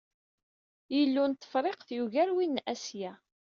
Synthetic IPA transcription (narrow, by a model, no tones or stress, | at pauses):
jəlːunt̪ːə̥fɾˤeqθjuʝæɾwinːæsjæ